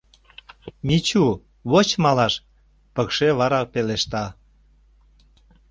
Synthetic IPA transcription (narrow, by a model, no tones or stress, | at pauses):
mit͡ɕu | βot͡ɕmɑlɑʃ | pəkʃeβɑɾɑpeleʃt̪ɑ